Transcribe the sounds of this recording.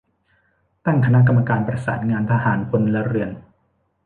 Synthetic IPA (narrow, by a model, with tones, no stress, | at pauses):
t̪a˥˩ŋkʰa˧na˦˥ʔk̬a˧mːa˧kaː˧npɾa˧saː˩˦nŋaː˧nt̪ʰa˧ɦaː˩˦npʰo˧nla˦˥ɾɯ˧ən